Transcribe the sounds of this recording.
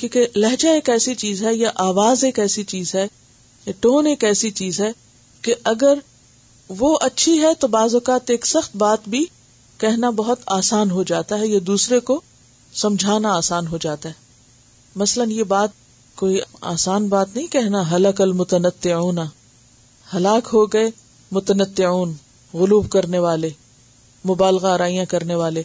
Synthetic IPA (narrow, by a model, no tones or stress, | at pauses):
kjõːkelɐɦd͡ʒaeːkɛːsit͡ʃiːzɦɛjaʔaːʋaːzeːkɛːsit͡ʃiːzɦɛ | jaʈoːneːkɛːsit͡ʃiːzɦɛ | keʔɐɡəɾ | ʋoʔɐtːʃʰiɦɛt̪obaːzʊkaːt̪eːksɐxt̪baːt̪bʱi | kɛɦnabɐɦʊt̪aːsaːnɦod͡ʒaːt̪aɦɛjad̪uːsɾeko | sɐ̃md͡ʒʱaːnaaːsaːnɦod͡ʒaːt̪aɦɛ | mɐslənjebaːt̪̚ | koːia̰ːsaːnbaːt̪nɐɦĩkɛɦnaɦɐləkɐlmʊt̪ənət̪ːɪʕuːna | hɐlaːkɦoɡɐe | mʊt̪ənət̪ːɪʕuːn | ɣʊluːbkɐɾneʋaːle | mʊbaːlɣaɐɾaːijãkɐɾneʋaːle